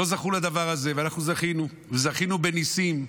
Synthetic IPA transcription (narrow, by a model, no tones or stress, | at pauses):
o̞zaχulad̪avaʁaze̞veanaχnuzaχinu | vezaχinube̞nisim